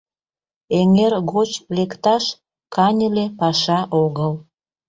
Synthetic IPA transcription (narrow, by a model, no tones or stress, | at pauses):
eŋerɣot͡ɕlekt̪ɑʃ | kʰɑnʲəlepɑʃɑʔoɣəl